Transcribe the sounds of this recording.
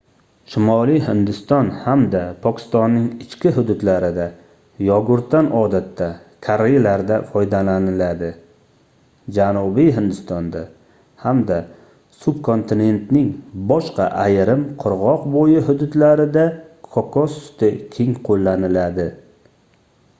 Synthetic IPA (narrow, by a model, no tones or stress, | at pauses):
ʃɪmɒlijhɪnd̪ɪst̪ɒnhamd̪apʰɒkʲɪ̥st̪ɒnːɪŋɪt͡ʃkʲɪɦʊd̪ʊd̪laɾɪd̪a | jɒɡʊɾt̪ːanɒd̪at̪ʰːakʲʰaɾejlaɾd̪afɒjd̪alanɪlad̪ɪ | d͡ʒanʊbiɦɪnd̪ɪst̪ɒnd̪a | hamd̪a | subkʰo̞nt̪ʰɪne̞nt̪nɪŋbɒʃqɑʔajɾɪmqʰʊɾʁɒqbojɪɦʊd̪ʊd̪laɾɪd̪akʰɒkʰɒsʊ̥t̪ʰɪkʲʰe̞ŋqʰolːanɪlad̪ɪ